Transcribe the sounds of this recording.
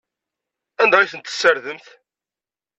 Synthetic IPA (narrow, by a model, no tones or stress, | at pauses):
ænd̪ɑiθənt̪ːə̥sːəɾðəmθ